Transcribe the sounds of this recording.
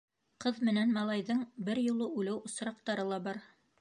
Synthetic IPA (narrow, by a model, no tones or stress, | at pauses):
qɤðmɘ̆nænmɑlˠɑjðɤɴbɘɾjŭlˠɤʉlɘwʔŏsɾɑq̚t̪ɑɾɤlˠɑbɑɾ